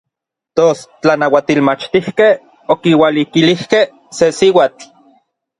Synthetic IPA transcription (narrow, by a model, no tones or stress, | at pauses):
t̪ost͡ɬanawat̪ilmat͡ʃt̪ihkeh | okiwalikilihkeh | sesiwaːt͡ɬ